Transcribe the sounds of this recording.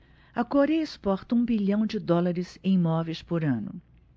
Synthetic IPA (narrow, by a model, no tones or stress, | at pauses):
ɐkoɾejɐɪspɔɾt̪ɐũbiʎɐ̃w̃d͡ʒɪd̪ɔlaɾɪzẽj̃mɔvejspoɾɐ̃nʊ̰